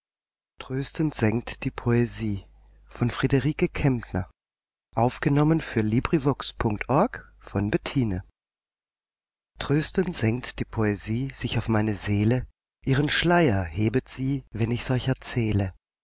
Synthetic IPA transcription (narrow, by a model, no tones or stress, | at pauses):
tʁ̥øːstəntz̥ɛŋk̚td̥iːpʰoeziː | fɔnfʁ̥edəʁiːkəkʰɛmtnɐ̰ | ʔaʊfɡ̥ənɔmənfyːɐliːbʁivɔkspʰʊŋk̚tʔɔɐkfɔnbɛɐtʰiːnə | tʁ̥øːstəntz̥ɛŋtd̥iːpʰoeziːz̥ɪçaʊfmaɪnəzeːlə | ʔiːʁənʃlaɪɐheːbətz̥iːvɛnɪçz̥ɔlçɛɐt͡sɛːlə